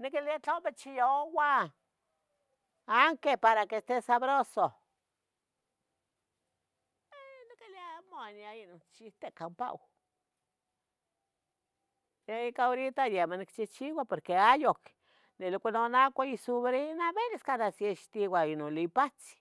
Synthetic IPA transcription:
nikiliat͡ɬaomet͡ʃijowa | aŋkepaɾakest̪esaβɾoso | enikiliaamoanjainont͡ʃiht̪ekampa̰ʔo | jeikaoɾit̪ajemonikt͡ʃiht͡ʃiwapoɾkeajok | nelkʷanonakʷaisuβɾinabeleskanasieʃt̪iwainonlipat͡si̥

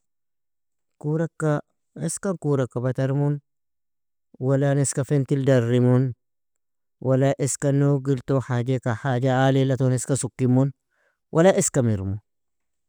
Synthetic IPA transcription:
kuɾakːa | eskaŋkuːɾakːabat̪aɾmun | walaneskafent̪ildarːimun | wʔalaʔeskanoɡilt̪oħad͡ʒekaħaːd͡ʒaalilat̪oneskasukːimun | wʔalaʔeskamiɾmun

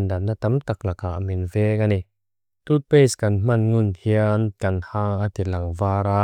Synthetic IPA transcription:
ndanːat̪ɐmt̪ak̚lakaʔminvɛkani | t̪ut̪̚peskɐnm̥ɐnŋʊnhiənkɐnhaŋat̪ilɐŋvaːɾa

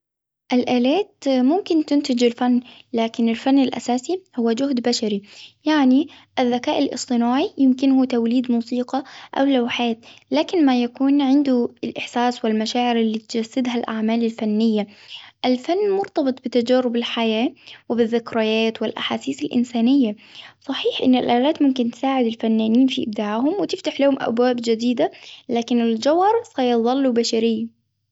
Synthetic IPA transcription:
ʔɪlʔaːlaːt̪mʊmkɪnt̪ɪnt̪ɪd͡ʒɪlfanːlaːkɪnɪlfanːɪlʔa̰saːsihʊwːad͡ʒʊhd̪baʃaɾijaʕni | ʔɪðːakaːʔɪlʔɨ̰sˤt̪ˤɨnaːʕijɪmkɪnhut̪awliːd̪muːsiːqɑʔa̰wlawħaːt̪̚laːkɪnmajakuːnʕɪnd̪ʊɪlʔɪħsaːswɪlmaʃaːʕɪɾʔɪlːiːt̪d͡ʒasːɪd̪ɦalʔa̰ʕmaːlɪlfanːɪjːaʔɪlfanːmʊɾt̪ɑbɨt̪ˤbɪt̪ːad͡ʒaːɾʊbɪlħajaːwɪbɪðːɪkɾˤajaːt̪wɪlʔa̰ħaːsiːsɪlʔɪ̰nsaːnɪjːa | sˤɑħiːħʔɪnːɪlʔaːlaːt̪mʊmkɪnt̪ɪ̥saːʕɪd̪ɪlfanːaːniːnfiʔɪ̰b̚d̪aːʕhʊmwɪt̪ɪft̪aħlahʊmʔa̰bwaːbd͡ʒɪd̪iːd̪alaːkɪnɪld͡ʒawɑɾˤsɑjðˤɑlːubaʃaɾɪjː

